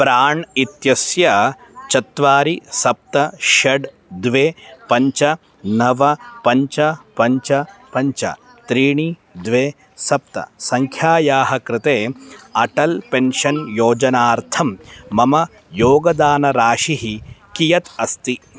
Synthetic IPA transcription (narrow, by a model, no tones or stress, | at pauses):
pɾaːɳit̪jɐsjɐt͡ʃɐt̪ʋaːɾisɐp̚t̪ɐʃɐɖ | d̪ʋeːpɐɲt͡ʃɐ | nɐʋɐpɐɲt͡ʃɐpɐɲt͡ʃɐpɐɲt͡ʃɐ̰ | t̪ɾiːɳid̪ʋeː | sɐp̚t̪ɐ̰sɐŋkʰjaːjaːɦɐkɾɪt̪eːɐʈɐlpenʃɐnjoːd͡ʒɐnaːɾt̪ʰɐmːɐmɐ | joːɡɐd̪aːnɐɾaːʃiɦikijɐt̪ɐst̪i